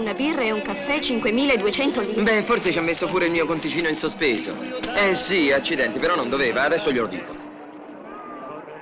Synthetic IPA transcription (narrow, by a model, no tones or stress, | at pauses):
nabirːɛuŋkafːɛt͡ʃiŋkwemiːlaed̪uet͡ʃɛnt̪oliːbɛfːorset͡ʃiamːesːopuːɾeilmiokont̪it͡ʃiːnoinsospeːzo̰ɛsiat͡ʃːid̪ɛnt̪ipeɾɔnːond̪oveːvaːd̪ɛsːoʎoɾod̪ḭːto